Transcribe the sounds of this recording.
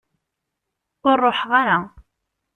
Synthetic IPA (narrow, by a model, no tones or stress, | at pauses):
ʊɾˤːoħʁaɾa